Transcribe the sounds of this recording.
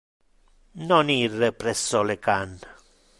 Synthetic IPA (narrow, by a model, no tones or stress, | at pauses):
nɔnirːɛpɾɛsːɔlekanːa